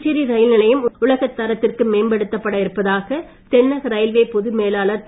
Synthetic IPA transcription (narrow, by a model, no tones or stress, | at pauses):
t͡ʃɪɾiɾɐjɪlnɪlɐjɯmʊɭɐɣɐt̪ːɐɾɐt̪ːɪrkɯmeːmbɐɽɯt̪ːɐpːɐɽɐɪɾɯpːɐðaːɣɐ | t̪ɛnːɐɣɐɾɐɪlʋeːpɔðɯmeːlaːlɐ